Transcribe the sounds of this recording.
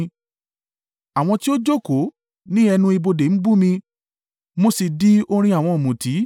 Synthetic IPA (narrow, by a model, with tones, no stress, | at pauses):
a˨w̃ɔ̃˧ti˦o˦d͡ʒo˦˨ko˨˦ | nĩ˦ɛ˧nũ˧˦i˧bo˧de˨˦n̩˦bu˦mĩ˧ | mo˧si˨di˨˦o˧ɾ̃ĩ˧a˨w̃ɔ̃˧o˨mũ˨ti˨˦